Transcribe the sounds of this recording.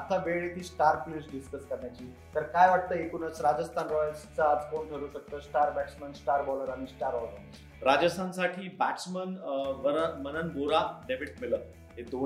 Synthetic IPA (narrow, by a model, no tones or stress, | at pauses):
at̪ʰaʋeɭit̪iːsʈaɾplusɖiskəskəɾɳjat͡ɕiː | t̪əɾkajʋaʈ̚t̪əːekuːnət͡sɾad͡ʑəst̪ʰanɾɔjəlst͡saːd͡zkonkəɾuːɕək̚t̪əːsʈaɾbæʈsmənsʈaɾbɔləɾaɽ̃isʈaɾbɔləɾ | ɾad͡ʑəst̪ʰansaʈʰiːbæksmənʋəmənənboɾaɖeʋiʈsmilə | ɦed̪o